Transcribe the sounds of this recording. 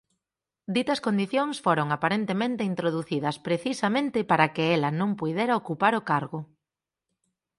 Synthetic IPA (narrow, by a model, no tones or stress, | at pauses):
d̪it̪ɐskond̪iθjoŋsfoɾoŋapaɾent̪emẽnt̪ɪint̪ɾoðuθiðɐspɾeθisɐmẽnt̪ɪpaɾɐkɪɛlɐnõŋpujðeɾɐokupaɾʊkaɾɣʊ